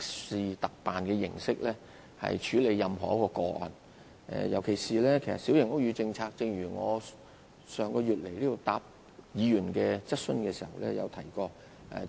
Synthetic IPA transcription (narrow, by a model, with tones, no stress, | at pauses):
siː˨t̪ɐ˨k̚paː˨nkɛː˧jɪ̰˨˩ŋsɪ˥k̚lɛː˥ | hɐ̰˨jt͡ʃʰyː˨˧˥le˨˧jːɐ˨mɦɔː˨˩jɐ˥kːɔː˧kɔː˧ʔɐ̰˨˩n | ʔɛ̰ː˨˧jɐ˨˩wkʰe˨˩jsiː˨lɛː˥kʰe˨˩jsɐ̰˨tsi˨˥wjɪ˨˩ŋʔo˥jyː˨˧t͡sɪ˧ŋt͡sʰaː˧k̚t͡sɪ˧ŋɥyː˨˩ŋɔ̰ː˨˧ | sœː˨ŋkɔː˧jyː˨t̚le˨˩jliː˥t̪o˨˧wt̪a̰ː˧˨p̚ | jiː˨˧jyː˨˩nkɛː˧t͡sɐ˥t̚sɵ˥nkɛː˧si˨˩hɐ˨wlɛː˥jɐ̰˨˧wt̪ʰɐ˨˩jkɔː˧ | ʔɛ̰˧